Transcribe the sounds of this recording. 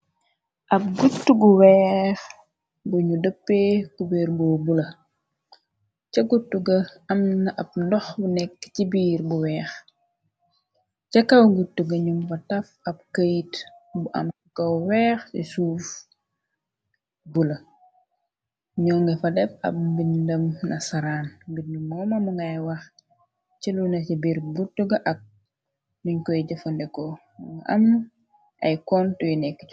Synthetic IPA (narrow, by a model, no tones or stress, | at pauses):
ʔɐp̚ɡutːuɡuwɛːx | ɡuɲudəpːeːkubɛːɾbɔːbulɐ | cɐɡutːuɡɐɐmnɐʔɐp̚ndɔxbunɛkːcibiːɾbuwɛːx | cɐkɐwɡutːuɡɐɲumfɐtɐfɐb̚kəjt | buʔɐ̰m | kɐwwɛːxsḭsuːf | bulɐ | ɲɔːŋɡɐfɐdɛp̚ɐ̰p̚mbindɐmnʔɐsɐɾaːnɡit̚ɲumɐmɐmuŋɡajwɐx | t͡ʃilunɐt͡ʃibiɾbutːuɡɐʔɐk̚ | miɲkɔjiɟɐfɐndɛkɔ | ŋɡʔɐ̰m | ʔɐ̰jkɔntujinɛkːə